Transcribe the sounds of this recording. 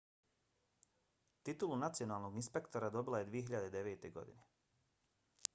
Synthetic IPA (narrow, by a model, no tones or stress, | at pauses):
t̪it̪ulunat̪sijo̞naːlˠno̞ɡinspe̞kt̪oɾad̪o̞bilˠaje̞d̪ʋije̞ɦiʎad̪ed̪e̞ʋe̞ːt̪e̞ɡo̞̰d̪ḭne